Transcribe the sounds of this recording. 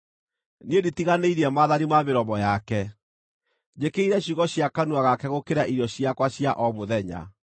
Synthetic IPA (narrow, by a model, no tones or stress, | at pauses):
nieditiɣaneiɾiɛmaːðanimameɾɔmɔjakɛ | d͡ʑekeiɾɛɕuɣɔɕjakanuaɣakɛɣokeɾaʔiɾjɔɕiakwaɕjaʔɔmoðɛɲa̰